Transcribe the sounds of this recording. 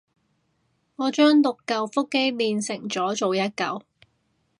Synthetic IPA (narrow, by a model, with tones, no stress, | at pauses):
ŋɔː˨˧t͡ʃœː˥ŋlʊ˨kːɐ˧wfʊ˥kːe˥jliː˨nsɪ˨˩ŋt͡sɔː˨˥t͡so˨wjɐ˥t̚kɐ˨w